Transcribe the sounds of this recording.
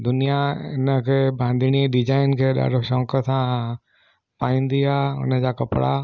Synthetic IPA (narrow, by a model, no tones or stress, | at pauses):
d̪ʊnijaɪ̰nəkʰebʱãnd̪ʱñiɖid͡ʒaːinkʰeɗa̰ɖoʃɔ̃ŋkəsã | paĩnd̪ijaʊ̰nəd͡ʑakəpɽa